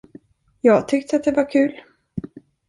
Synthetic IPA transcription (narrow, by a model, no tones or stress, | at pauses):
jɑːɡt̪ʰʏk̚t̪əat̪̚d̪ɛvaɾkʰʉ̟ːl